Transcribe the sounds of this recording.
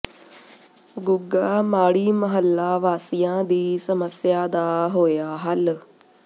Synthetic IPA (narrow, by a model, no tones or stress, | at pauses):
ɡʊɡaːmaːɽiːməɦəlːaːʋaːsijãːd̪iːsəməsjaːd̪aːɦoːjaːɦəl